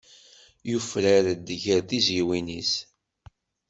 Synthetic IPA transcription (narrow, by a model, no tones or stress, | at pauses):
jufɾəɾd̪ʝəɾθiziwinis